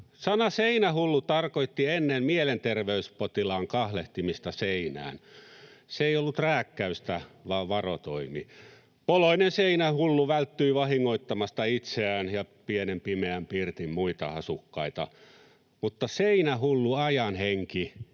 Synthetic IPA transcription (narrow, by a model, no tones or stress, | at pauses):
sɑnɑseinæhulːut̪ɑrkoit̪ːienːemmielent̪erʋeyspot̪ilɑːŋkɑhleht̪imist̪ɑseinæ̰ːn | seeijolːut̪ræːkːæyst̪æʋɑːʋʋɑrot̪o̰imḭ | poloinenseinæhulːuʋælt̪ːyiʋɑhiŋːoit̪ːɑmɑst̪ɑit̪seæːnjɑpienempimeæmpirt̪immuit̪ɑɑsukːɑit̪ɑ | mut̪ːɑseinæhulːuɑjɑnheŋki